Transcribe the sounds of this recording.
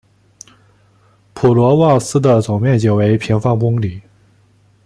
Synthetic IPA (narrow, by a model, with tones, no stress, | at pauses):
pʰu˨˩lwɔ˧˥wɑ˥˩ŋsɹ̩˥d̪ə˨t͡sʊ˨˩ŋmjɛ˥˩nt͡ɕjo˨˩ʊwe˧˥ɪpʰi˧˥ŋfɑ˥ŋpʊ˥ŋli˨˩˦